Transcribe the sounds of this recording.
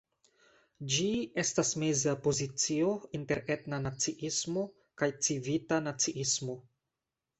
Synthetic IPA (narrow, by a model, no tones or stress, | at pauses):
d͡ʒie̞stasmezapo̞zit͡sio̞inte̞ɾe̞tnanat͡siʔismo̞ | kajt͡sivitanat͡siʔismo̞